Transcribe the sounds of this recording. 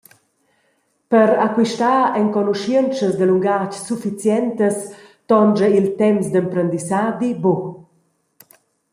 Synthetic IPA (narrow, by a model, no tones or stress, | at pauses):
pəɾakwiʃtaːɛŋkɔnuʃint͡ʃəzd̪əluŋɡat͡ʃsufit͡sjɛnt̪əst̪ɔnd͡ʒəilt̪ɛmsd̪əmpɾənd̪isaːd̪ibo